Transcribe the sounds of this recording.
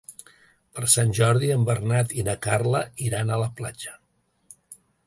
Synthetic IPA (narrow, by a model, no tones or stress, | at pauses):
pəɾsanʲʒɔɾðiəmbəɾnat̪inəkarləiɾanələplad͡ʒə̥